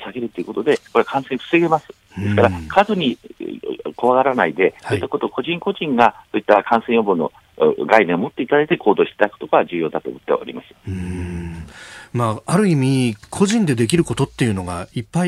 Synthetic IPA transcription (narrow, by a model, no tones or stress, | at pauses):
saɡe̞ɾɯt̪ːeiɯ̟ko̞t̪o̞d̪e̞ko̞ɾeakʰãɰ̃sẽɸɯ̟̥seɡe̞masɨ̥ | d̪e̞sɨ̥kaɾakʰazoɲ̟i | kʰo̞βaɡaɾanaid̪e̞saːit̪ːako̞t̪o̞ko̞ʑĩŋko̞ʑĩŋɡasoːit̪ːakʰãɰ̃sẽ̞jobɯno̞̰ | ɡainẽomo̞t̪ːe̞it̪ad̪ait̪ekʰo̞ːd̪o̞ːɕi̥t̪et̪ako̥t̪okoβaʑɨːjo̞ːd̪at̪o̞̰ːmot̪ːe̞βa̰o̰ɾḭmaɕi̥ḁɯ | maaɾɯ̟imʲikʰo̞ʑĩnd̪e̞d̪e̞k̬ʲiɾɯ̟ko̞t̪o̞t̪ːejɯ̟no̞ɡaipːai